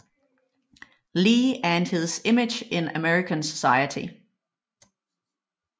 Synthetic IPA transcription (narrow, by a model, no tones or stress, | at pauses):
liːæɐenheðˠsemɪd̥d͡ʒ̥ɪnəmɛɹikʰənsə̥sɑ̈ɪət͡sʰḭ